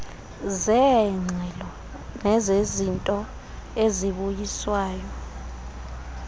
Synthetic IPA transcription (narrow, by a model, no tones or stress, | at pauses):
zɛŋ͡ǀʱɛlɔ | nɛzezintʼɔ | eziɓujiswaːjɔ